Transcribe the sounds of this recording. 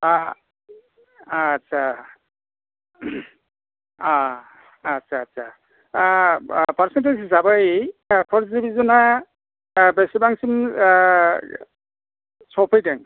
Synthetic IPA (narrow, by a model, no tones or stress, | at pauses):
a | tsʰa | aː | tsʰaːtsʰa | paɾsentezzabɯjpʰɔɾsdibizuna | besibaŋsim | sɔpʰɯjdaŋ